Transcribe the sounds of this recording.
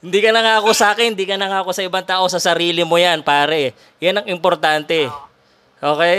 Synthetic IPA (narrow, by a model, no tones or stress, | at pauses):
hɪnd̪iːkɐnɐŋaːʔɐko̞saːkɪnɪnd̪iːkɐnɐŋaːɐko̞sɐʔɪbaŋt̪aːʔo̞sɐsɐɾiːlɪmojanpaːɾɐʔɛ | janɐŋɪmpoɾt̪ant̪ɛ | ʔo̞ːkɛj